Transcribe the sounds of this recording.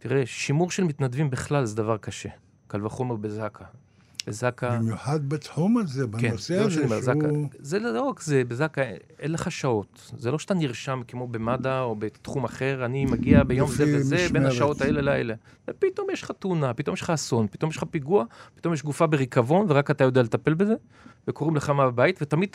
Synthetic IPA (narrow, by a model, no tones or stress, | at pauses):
tiʁeʃimuʁʃelmit̪nadvimbeχlalzed̪avaʁkaʃe̞̰ | kalvaχo̞me̞ʁbezakʰa | bezakamjuħad̪̚betħumalzebkenseʃanimezakazelloʁakzebezakaenleχaʃao̞t | zeloʃe̥t̪aniʁʃamkemo̞be̞madaobet̪χumaχe̞ʁanimaɡiabejo̞mzevezebenaʃao̞t̪aelelaḛle | vepit̪o̞mjeʃlχat̪unapit̪o̞mjelχaːso̞npit̪o̞mjeʃlχapiɡuapi̥t̪o̞mjeʃɡufabeʁikavo̞nveʁakat̪ajo̞dealet̪ape̞lbeze̞ | vekoʁimleχamababait̪vet̪amid̪̚